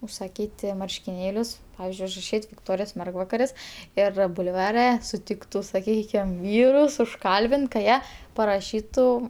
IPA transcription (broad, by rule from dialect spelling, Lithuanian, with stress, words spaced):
ʊsɐˈkʲiːtʲɪ mɐrʲʃʲkʲɪˈnʲeːlʲʊs ˈpɑːʋʲɪzʲd͡ʒʲʊɪ ʊʒrɐˈʃʲiːtʲ ʋʲɪkˈtoːrʲɪjoːs ˈmʲɛrɡʋɐkɐrʲɪs ˈɪr bʊlˠˈʋɑːrʲɛ sʊˈtʲɪktʊ sɐˈkʲiːkʲɪm ˈʋʲiːrʊs ʊʃˈkɐlʲbʲɪnt kɐ ˈjiɛ pɐrɐˈʃʲiːtʊ